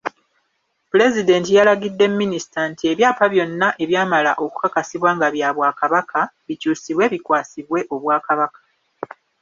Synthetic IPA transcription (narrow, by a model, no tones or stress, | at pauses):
pule̞zide̞ːntijalaɡidːe̞mːinisi̥tantie̞βjaːpaβjo̞nːaʔe̞βjaːmalaʔo̞ku̥kakasiβwaːŋɡaβjaβwaːkaβakʰaβicuːsiβwe̞ːβikwaːsiβwe̞ʔo̞βwaːkaβakḁ